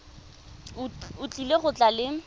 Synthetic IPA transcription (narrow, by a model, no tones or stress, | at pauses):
ʊt͡ɬʼileχʊt͡ɬʼalɪ